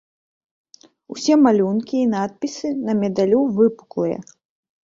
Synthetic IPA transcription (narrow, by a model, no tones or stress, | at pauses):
usʲɛmalʲunkʲiːnat̪̚pʲisɨnɐmʲɛd̪alʲuvɨpu̥klˠɨjɐ̰